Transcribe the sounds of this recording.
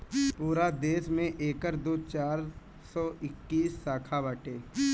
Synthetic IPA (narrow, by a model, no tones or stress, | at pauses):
puːɾad̪eːsmẽʔeːkəɾd̪oːt͡ʃaːɾ | sɔɪkːiːsːaːkʰabaːʈeː